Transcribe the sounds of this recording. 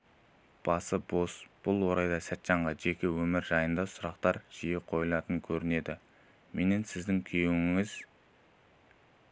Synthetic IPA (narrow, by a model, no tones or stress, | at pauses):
b̥ɑsəbo̞sb̥ʊlˠwo̞ɾɑjd̪ɑsæt̪ːʃɑɴʁɑʒe̞kʲe̞wɵmɪɾʒɑjənd̪ɑsʊɾɑqt̪ɑɾʒ̥ijeqʰo̞jəlˠɑt̪əŋkʲʰɵɾɪne̞d̪ɪ | mʔe̞ne̞nsɪzd̪ɪŋkʲʰyjewɪŋɪz̥